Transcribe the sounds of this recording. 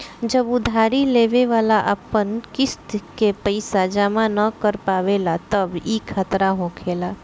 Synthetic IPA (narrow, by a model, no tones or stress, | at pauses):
d͡ʒəbʊd̪ʱaːɾileːʋeʋaːlaʔə̰pənkɪst̪kepəɪsad͡ʒamãnəkəɾpaːʋelat̪əbikʰat̪ɾaɦoːkʰeːlaː